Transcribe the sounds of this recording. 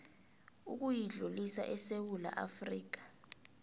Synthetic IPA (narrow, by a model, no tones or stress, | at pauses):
ṵk̬ujiɮulisa̰ʔɛsewula̰ʔa̰friːk̬ḁ